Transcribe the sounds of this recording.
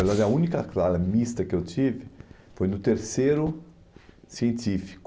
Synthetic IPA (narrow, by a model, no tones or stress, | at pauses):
ɛlad̪ɐũnikɐklaɾɐmist̪ɐkɪewt̪ivɪ | fojnʊt̪eɾseɾʊ | siẽnt̪ifi̥kʊ̥